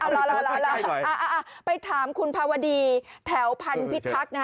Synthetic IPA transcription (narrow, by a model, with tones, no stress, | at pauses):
ʔa˧˩lɔ˧lɔ˧lɔ˧la˧ʔaː˧ʔa˧ʔa˧˩pa˧jt̪ʰaː˩˦mkʰu˧npʰaː˧wa˧diː˧t̪ʰɛː˩˦wpʰa˧npʰi˦˥t̪̚kʰːa˦˥k̚na˦˥